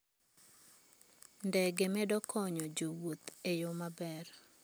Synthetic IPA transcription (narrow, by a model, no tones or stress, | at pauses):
ndɛɡemɛdɔkʰɔɲɔd͡ʒowot̪ejomabɛr